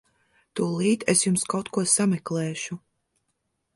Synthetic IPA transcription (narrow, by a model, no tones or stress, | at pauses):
t̪uɔlˠiːt̪esjumskawt̪kuɔsamɛklɛːʃu